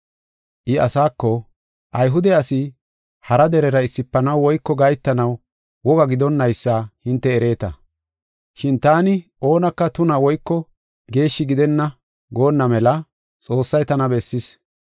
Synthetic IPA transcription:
ʔɪɐsaːkːɔ | ʔɐjɦʊd̪ɛɐsɪ | hɐɾɐd̪ɛɾɛɾɐɪsːɪpːɐnɐwwɔjkːɔɡɐjt̪ːɐnɐw | wɔɡɐɡɪd̪ɔnːɐjsːaːhɪnt̪ːɛːɾe̞ːt̪ɐ | ʃɪnt̪aːnɪʔo̞ːnɐkːɐt̪ʊnɐwɔjkːɔ | ɡe̞ːʃːɪɡɪd̪ɛnːɐ | ɡo̞ːnːɐmɛlɐ | t͡sʼo̞ːsːɐjt̪ɐnɐbɛsːɪs

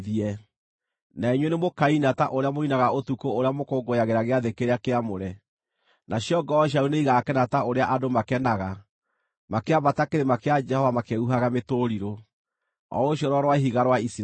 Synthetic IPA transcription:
iɛ | naeɲwɛnemokainataʔoɾeamoinaɣaotukooɾeamokoːɡojaɣeɾaɣeaðekeɾeakeamoɾɛ | nʔaɕjɔɡɔːɕ̬auneiɣaːkɛnataoɾeaʔadomakɛnaɣa | makeabatakeɾemakead͡ʒɛhɔvamakeuɦaɣametoɾiɾo | ɔ̰oɕjɔɾɔɾwaɦiɣaɾwaisi

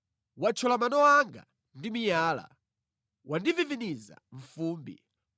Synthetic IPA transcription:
wat͡ʃʰɔlamanɔwaŋɡa̰ | ndimijaːla̰ | wʔandiviviniza̰ɱ̩fuːmbḭ

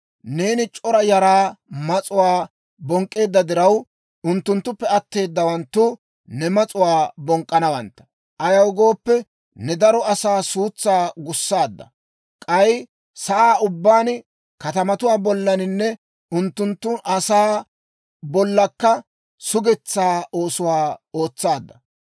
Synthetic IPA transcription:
ne̞ːnɪt͡ʃʼɔɾɐjɐɾaːmɐt͡sʼʊwaː | bɔŋkʼːe̞ːd̪ːɐd̪ɪɾɐw | ʊnt̪ːʊnt̪ːʊpːɛɐt̪ːe̞ːd̪ːɐwɐnt̪ːʊ | nɛmɐt͡sʼʊwaːbɔŋkʼːɐnɐwɐnt̪ːɐ̥ | ʔɐjɐwɡo̞ːpːɛ | nɛd̪ɐɾɔɐsaːsuːt͡sːaːɡʊsːaːd̪ːɐ̰ | kʼɐj | sɐʔaːʔʊbːaːn | kɐt̪ɐmɐt̪ʊwaːbɔlːɐnɪnːɛ | ʊnt̪ːʊnt̪ːʊʔɐsaː | bɔlːɐkːɐ | sʊɡɛt͡sːaːo̞ːsʊwaːo̞ːt͡sːaːd̪ːɐ

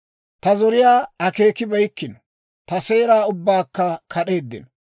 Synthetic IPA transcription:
t̪ɐzɔɾɪjaːɐke̞ːkɪbɐjkːɪn | t̪ɐse̞ːɾaːʊbːaːkːɐkʰɐɗe̞ːd̪ːɪ̰n

